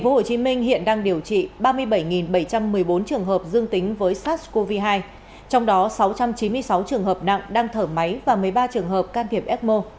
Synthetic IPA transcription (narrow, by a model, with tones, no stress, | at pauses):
ŋ̟fo˨˦ho˧˩t͡ɕi˨˦mï˧ŋ̟hḭ˧˨ənɗaː˧ŋɗi˨˩əwt͡ɕḭ˧˨ɓaː˧mɨ˧əjɓə˧˩jŋi˨˩nɓə˧˩jt͡ɕa˧mːɨ˨˩əjɓo˨˦nt͡ɕɨ˨˩əŋɦəː˨˩p̚zɨ˧əŋt̪ï˨˦ŋ̟vəː˨˦jsaː˦˥t̚ko˧vi˧ɦaː˧j | t͡ɕɔ˧wŋ͡mɗɔ˨˦sa˨˦wt͡ɕa˧mt͡ɕi˨˦nmɨ˧əjsa˨˦wt͡ɕɨ˨˩əŋɦəː˨˩p̚na̰˧˨ŋɗaː˧ŋt̪ʰəː˧˩ma˨˦jvaː˨˩mɨ˨˩əjɓaː˧t͡ɕɨ˨˩əŋɦəː˨˩p̚kaː˧nt̪i˨˩əp̚ʔɛ˦˥t̚mo˧